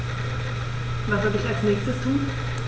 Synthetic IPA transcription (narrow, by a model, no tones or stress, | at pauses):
vasadɪçalsnɛːçstəstʰuːn